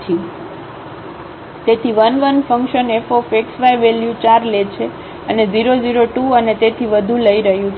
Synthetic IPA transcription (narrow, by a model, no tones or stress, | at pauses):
t͡ʃʰi | t̪et̪ʰiʋənʋənfəŋkʃənefofeksʋajʋeljut͡ʃaɾlet͡ʃʰe | əned͡ʒiɾoziɾoʈuənet̪et̪ʰiʋəd̪ʱũləiɾəɦjũ